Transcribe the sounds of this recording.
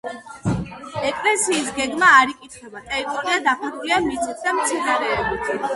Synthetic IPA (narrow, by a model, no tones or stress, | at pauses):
ɛkʼlɛsiːs̬ɡɛɡmaːɾikʼit̪ʰχwɛbat̪ʼɛɾit̪ʼɔɾiad̪apuɾɡiamit̪sʰʼit̪ʰd̪amt̪sʰinaɾɛːbit̪ʰ